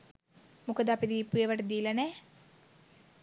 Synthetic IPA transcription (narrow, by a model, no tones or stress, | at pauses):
mukəd̪apid̪ipːujeʋəʈəd̪iːlɐnɛ